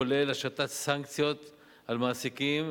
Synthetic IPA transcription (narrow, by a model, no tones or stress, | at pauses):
olelaʃat̪at̪saŋkt͡sjo̞t̪ | almaːsikim